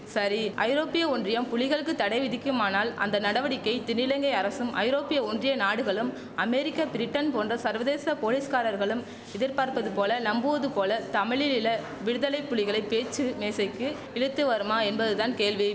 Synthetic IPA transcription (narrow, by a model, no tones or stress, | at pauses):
sɐɾiɐ̰ɪɾoːpːɪjɐɔndrɪjɐmpʊɭɪɣɐɭɯkːɯt̪ːɐɽɐɪʋɪðɪkːɯmaːnaːlɐ̰nd̪ɐnɐɽɐʋɐɽɪkːɐɪt̪ɪnɪlɐŋɡɐɪɐɾɐsɯmʔɐ̰ɪɾoːpɪjɐɔndrɪjɐnaːɽɯɣɐɭɯm | ɐmɛɾɪkːɐpɪɾɪʈːɐnpoːndrɐsɐɾʋɐðeːsɐpoːliːskaːɾɐɾɣɐɭɯm | ɪðɪɾpaːɾpɐðɯpoːlɐnɐmbɯʋɐðɯpoːlɐt̪ɐmɪɭɪlɪlɐ | ʋɪɽɯðɐlɐɪpːʊɭɪɣɐɭɐɪpːeːt͡ʃːɯmeːsɐɪkːɯ | ɪɻɯt̪ːɯʋɐɾɯmaːɛnbɐðɯt̪aːnkeːlʋi